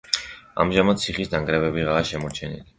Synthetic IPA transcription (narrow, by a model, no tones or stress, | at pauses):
a̰mʒamatd̪̚t̪sʰiχisd̪aŋɡɾɛbɛbiʁaːʃɛmɔɾt͡ʃʰɛnḭli